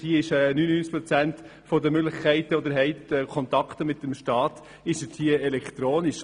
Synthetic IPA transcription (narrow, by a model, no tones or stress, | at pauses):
iəɪʃɛːnyːnənynt͡skpɾɔt͡sænt | fɔdəmøɡlɪχkʰɛɪt̪əod̪əɾɦɛɪtɛkʰɔnt̪ɑkt̪əmɪt̚dəmʃtɑːt | ɪʃthiəɛlɛkʰt̪ɾoːniʃ